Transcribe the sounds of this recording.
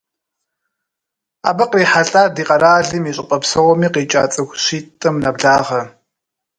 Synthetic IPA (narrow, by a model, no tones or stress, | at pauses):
a̰ːbɐqriːħaɬʼaːdiːqʼɐɾaːɮɨmiːɕʼɪqʼɐpsɐwɔmiːqiːt͡ʃʼa̰ːt͡sʼɐxʷɕiːtʼɐmnɐbɮaːʁɐ